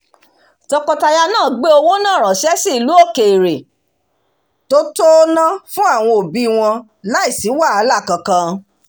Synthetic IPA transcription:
tɔ˧kɔ˧ta˧ja˧nãː˦˨ɡ͡be˦o˧wo˦nã˦˨ɾ̃ɔ̃˨ʃɛ˦si˦˨˧lu˨˦o˦˨ke˨i˨ɾe˨ | to˦to˦nã˦fũ˦a˦˨w̃ɔ̃˧o˨bi˦˧˨w̃ɔ̃˧ | la˦i˦˨si˨˦wa˦˨a˨˧˦la˦˨kã˧kã˧

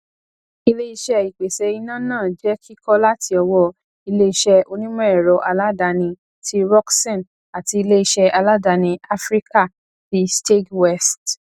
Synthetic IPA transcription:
i˧le˦i˧ʃɛ˧i˨k͡pe˨sɛ˧˦i˧nã˦˨nãː˦˨d͡ʒɛ˨˦kʰi˦kɔ˦la˦ti˧ɔ˧wɔ˧ | i˧le˦i˧ʃɛ˧ʔo˧nĩ˦mɛ̃˦ɛ˨ɾɔ˨ʔa˧la˦da˧nĩ˧ | tʰi˦ɾɔ˦ksɛ̃˦˨n | a˨ti˧i˧le˦i˧ʃɛ˧ʔa˧la˦da˧nĩ˧a˦fɾi˦ka˦˨ | fi˨˦ste˦twɛ˦st

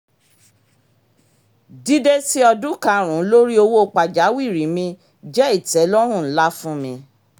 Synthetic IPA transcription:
di˦de˦si˦ɔ˧dũ˦kã˧˦ɾ̃ũ˨˦lo˦ɾi˦o˧wo˦˧k͡pa˨d͡ʒa˨˦wi˦˨ɾi˨˦mĩ˧ | d͡ʒɛ˦i˦˨tɛ˨˦lɔ˦ɾ̃ũ˦˨n̩˨˦la˦fũ˦mĩ˧

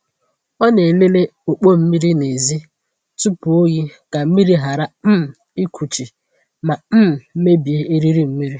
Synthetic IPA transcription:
ɔ˦ne˨le˦le˦o˨k͡po˦m̩˦mi˦ɾi˦ne˨zi˦ | tu˦pu˨o˦ɣi˦ka˨m̩˦mi˦ɾi˦ɦa˨ɾa˨m̩˦˨ | i˦kʰʷu˨t͡ʃi˨ | ma˨m̩˦˨˦me˦bi˨e˦e˦ɾi˦ɾi˦m̩˦mi˦ɾi˦

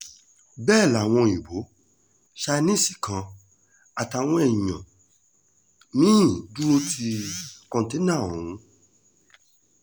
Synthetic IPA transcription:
bɛː˦˨la˨w̃ɔ̃˧i˨bo˨˦ | ʃa˧nĩ˦˨si̥˨kã˧˦ | a˨ta˨˧˨w̃ɔ̃˧˦ɛ̃˦˨ã̰˨ | mĩ˦˨du˦ɾo˦tʰi˧kɔ̃˧˦te˦nã˦˨ɔ̃˨ũ˨˦

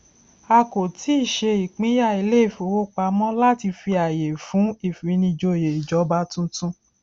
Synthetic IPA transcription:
a˧ko˨tʰi˨˦i˦˨ʃe˧i˨k͡pĩ˨˦ja˦˨i˧le˦˨fo˨wo˦k͡pa˧mɔ̃˦la˦ti˧fi˧a˨je˨fũ˨˦i˦˨fi˨˦nĩ˧d͡ʒo˧˨je˨i˨d͡ʒɔ˨˦ba˧˦tũ˦tũ˦

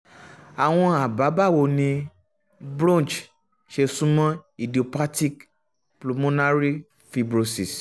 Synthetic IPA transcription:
a˨w̃ɔ̃˧a˨ba˨˦ba˦˨wo˧nĩ˧ | bɾɔ̃˦˨t͡ʃ | ʃe˧sũ˦mɔ̃˦i˨di˨o˨pa˦ti˦k | plu˨mõ˦na˦ɾi˦ | fi˧bɾo˧si˨s

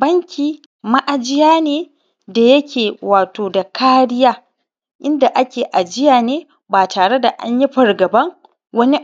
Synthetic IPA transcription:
bɐ˦ŋkʲiː˨ | ma˦ʔa˨d͡ʒɪ˦jaː˦neː˦ | da˨jɐ˦kʲʰeː˨waː˨toː˨da˨kʰaː˦ɽɪ˦jaː˦ | ʔɪ˦nda˨ʔa˦kʲeː˨ʔa˨d͡ʒɪ˦jaː˨neː˦ | baː˨taː˨ɽe˦da˨ʔa̰˦ɲji˦ɸɐ˨rɡɐ˨bɐ˦ŋ | wɐ˦ni˦

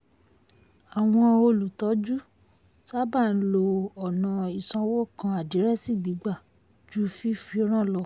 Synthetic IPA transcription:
a˨w̃ɔ̃˧o˧lu˨tɔ˨˦d͡ʒu˦ | sa˦ba˦˨n̩˦lo˧ɔ˨nã˨i˨sã˧wɔ˦kã˧a˨di˨˦ɾɛ˦si˦˨ɡ͡bi˨˦ɡ͡ba˦˨ | d͡ʒu˦fi˦fi˧˦ɾ̃ã˦˨lɔ˨˧

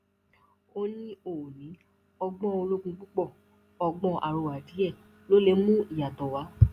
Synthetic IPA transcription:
o˦nĩ˦o˨nĩ˨˦ | ɔ˧ɡ͡bɔ̃˦o˧lo˦ɡũ˧ɡ͡bu˦k͡pɔ˦˨ | ɔ˧ɡ͡bɔ̃˧ʔa̰˨ɾo˨a˨di˨˦ɛ˦˨ | lo˦le˧˦mũ˦i˦˨ja˨tɔ˨wa˨˦

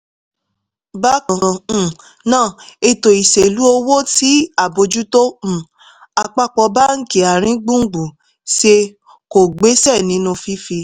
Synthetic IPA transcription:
ba˦kã˨˧˦ | nãː˦˨e˧to˨i˨se˨lu˨˦o˧wo˦ti˨˦a˦˨bo˧d͡ʒu˦tõ˦˨ | a˧k͡pa˦k͡pɔ˧ba˦ŋ̩˦ki˨a˨ɾ̃ĩ˦ɡ͡bũ˦ŋ̩˦ɡ͡bu˨ | ʃe˧ | ko˨ɡ͡be˨˦sɛ˦˨nĩ˨˦nũ˧fi˦fi˧

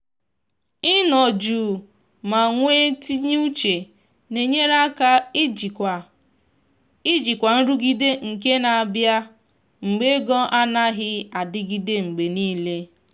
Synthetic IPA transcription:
ɪ˦nɔ˨d͡ʒu˨ | ma˨ŋʷeː˦ti˦ɲ˦u˦t͡ʃe˨ | ne˨ɲe˦ɾa˦ka˦˨ | i˦d͡ʒi˨kʷa˨n̩˦ɾu˦ɡi˦de˦ŋ̩˨k̬e˦na˨a˨bja˦ | ŋ͡m̩˨ɡ͡be˦ɡɔ˦ʔa˦na˦ɦɪ˦a˨dɪ˦ɡi˦de˦ŋ͡m̩˨ɡ͡be˨niː˦le˦

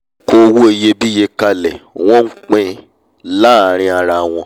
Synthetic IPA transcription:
ko˧wu˦e˧˨je˧bi˦je˧ka˧lɛ˨w̃ɔ̃˦ŋ̩˦k͡pɛ̃˧ | la˦˨ɾ̃ĩ˧a˧ɾa˧˨w̃ɔ̃˧

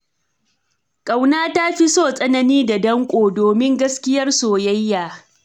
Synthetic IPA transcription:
kʼa˨wnaː˦ta˦ɸi˦soː˦˨sʼɐ˦nɐ˦niː˦da˨dɐ˦ŋkʷʼoː˨doː˨mɪ˦ŋɡɐ˦skʲɪ˦jɐ˦rsoː˨jɐ˦jːaː˨

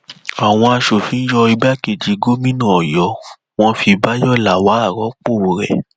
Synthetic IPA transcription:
a˨w̃ɔ̃˧a˧ʃo˨fĩ˨˦n̩˦jɔ˧i˧ɡ͡ba˦ke˨d͡ʒi˨ɡo˦mĩ˦nã˦˨ɔ˨jɔ˨˦ | w̃ɔ̃˦fi˧ba˦jɔ˦˨la˨wa˨˦a˦˨ɾɔ˨˦k͡po˦˨ɾɛ̰˨

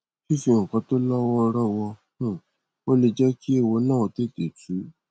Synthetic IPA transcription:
ʃi˦fĩ˧˨ŋ̩˨kɔ̃˧˦to˦lɔ˦wɔ˦˧ɾɔ˦˨wɔ̃˧˦˨ | wo˦le˧d͡ʒɛ˦ki˦e˦˨wo˧nãː˦˨o˧te˦˨te˨tu˨˦

